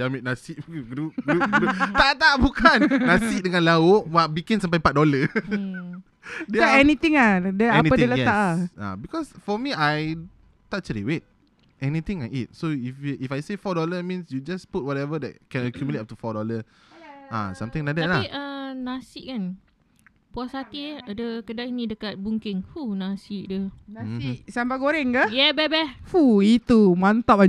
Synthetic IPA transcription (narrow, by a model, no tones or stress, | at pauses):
damek̚nasiʔɡɾupɡuut̪at̪aʔbukʰannasiʔ̚dəŋãnlaoʔwaʔbikĩns̬ãmp̬ajpat̚dɔlə | dɛɛnit̪ĩŋadɛɛnipədɛlajɛt̪aʔaa̰bikɔsfɔmiaj | tat̚t͡ʃəlḭwet̚ | ʔɛnit̪ĩŋait̚soifʔifajsefɔdɔləmĩnsjud͡ʒasput̚wɔtɛvədɛ̰t̚kɛ̃nəkjumjuletap̚tufɔdɔlə | ʔa̰sãmt̪ĩŋladɛt̚laʔənasiʔkan | puasat̪iadəkədaʔinĩdəkat̪̚buŋkɪŋhunasiʔdənasiʔsambaɡoɾɛŋkajɛbɛbɛfuit̪umant̪apa